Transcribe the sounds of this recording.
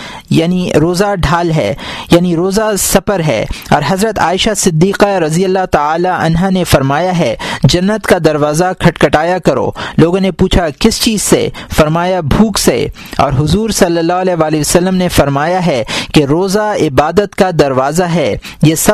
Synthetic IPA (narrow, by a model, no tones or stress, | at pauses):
jaːniɾoːzaɖʱaːlɦɛ̰ːjaːniɾoːzasɐpəɾɦɛ̰ːɔ̰ːɾɦɐzɾət̪a̰ːɪʃasɪd̪ːiːqaɾɐzijəlːat̪aaːlaʔɐ̰nɦanefɐɾmaːjaɦɛd͡ʒɐnːət̪kad̪ɐɾʋaːzakʰɐʈkɐʈaːjakɐɾo̰ːloːɡõnepuːt͡ʃʰakɪst͡ʃiːz̥sḛfɐɾmaːjabʱuːksḛ | ɔ̰ːɾɦʊzuːɾsɐlːəlːaɦɐlɛːɦʋaːlisɐlːəmnefɐɾmaːjaɦɛkeɾoːzaɪbaːd̪ət̪kad̪ɐɾʋaːzaɦɛ | jeːsɐ